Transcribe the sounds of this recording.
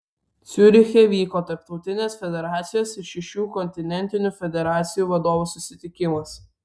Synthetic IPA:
t̪sʲʊɾʲɪxʲeːʋʲiːkoːt̪ɐɾp̚t̪ɔʊt̪ʲɪnʲeːsfʲɛd̪ʲɛɾɑːt̪sʲɪjoːsɪɾʃʲɛʃʲuːkɔnʲt̪ʲɪnʲɛnʲt̪ʲɪnʲuːfʲɛd̪ʲɛɾɑːt̪sʲɪjuːʋɐd̪oːʋuːsʊsʲɪt̪ʲɪkʲɪmɐs

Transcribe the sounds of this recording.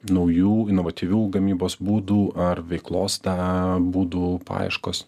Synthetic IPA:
nɐʊjuːɪnoːʋɐt̪ʲiːʋʲuːɡɐmʲiːboːsbuːd̪uːɐrʋʲɛɪklˠoːsd̪ɐbuːd̪uːpɑ̰ːɪʃkoːs

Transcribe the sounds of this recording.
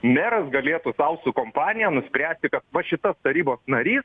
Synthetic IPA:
mʲɛːɾɐsɡɐlʲeːt̪uːsɐʊsukoːmpɑːnʲɪjænʊsʲpʲɾʲæːsʲt̪ʲɪkɐt̪ʋɐʃʲɪt̪ɐst̪ɐɾʲiːboːsnɐɾʲiːs

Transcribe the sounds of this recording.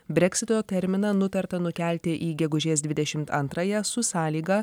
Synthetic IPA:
bʲɾʲɛkʲsʲɪt̪oːt̪ʲɛɾʲmʲɪnɐnʊt̪ɐɾt̪ɐnʊkʲæˑlʲt̪ʲɪʔiːɡʲɛɡʊʒʲeːsd̪ʲʋʲɪd̪ʲɛʃʲɪmt̪ɐ̰nt̪ɾɑjɛsʊsɑːlʲiːɡɐ

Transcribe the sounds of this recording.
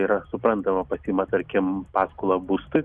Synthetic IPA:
iːɾɐsʊpɾɐnt̪ɐmɐpɐsʲiːmɐt̪ɐɾʲkʲɪmpɑːskʊlˠɐbuːst̪ʊɪ

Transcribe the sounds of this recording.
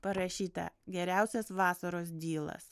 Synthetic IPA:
pɐɾɐʃʲiːt̪ɐ̰ɡʲɛɾʲæˑʊsʲɛsʋɑːsɐɾoːsd̪ʲiːlˠɐ̰s

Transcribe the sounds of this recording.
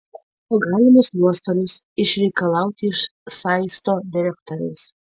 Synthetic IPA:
ɐɡɑːlʲɪmʊsnuɔst̪ɐlʲʊs | ɪʃɾʲɛɪkɐlˠɑʊt̪ʲɪɪʃsɑɪst̪oːd̪ʲɪɾʲɛkt̪oɾʲʊ̰s

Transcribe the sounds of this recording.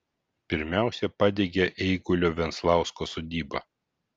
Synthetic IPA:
pʲɪɾʲmʲæˑʊsʲɛpɑd̪ʲeɡʲɛʔɛɪɡʊlʲoːʋʲɛnt̪slˠɑˑʊskosoːd̪ʲiːbɐ̰

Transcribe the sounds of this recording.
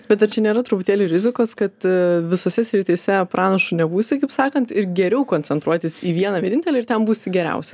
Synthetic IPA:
bʲɛt̪ɐɾt͡ʃʲɛnʲeːɾɐt̪ɾʊpʊt̪ʲeːlʲuɾʲɪzʲɪkoːskɐt̪ʋʲɪsoːsʲɛsʲɾʲɪt̪ʲiːsʲɛpɾʔɑːnɐʃʊnʲɛbuːsʲɪkɐɪpsɑːkɐnt̪ɪɾɡʲɛɾʲɛʊkoːnʲt͡sʲɛnt̪ɾuɔt̪ʲɪsiːʋʲiɛnɐʋʲiɛnʲɪnt̪ʲɛlʲɛɪɾt̪ʲɛmbuːsʲɪɡʲɛɾʲɛ̰ʊsʲɛ

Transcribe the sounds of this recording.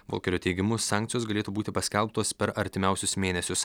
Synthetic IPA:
ʋo̰lʲˠkʲɛɾʲoːt̪ʲɛɪɡʲɪmʊsɑːˑŋʲkt̪sʲɪjoːsɡɐlʲeːt̪uːbuːt̪ʲɪpɐsʲkʲɛlˠˑpt̪oːspʲɛɾɐɾʲt̪ʲɪmʲæˑʊsʲʊsmʲeːnʲɛsʲʊs

